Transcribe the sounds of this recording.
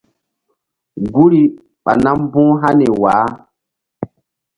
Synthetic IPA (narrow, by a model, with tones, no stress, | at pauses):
ɡu˦ɾi˨ | ɓa̰˨na˦m˦bũ˦ɦa˦nɛ˨waː˨˦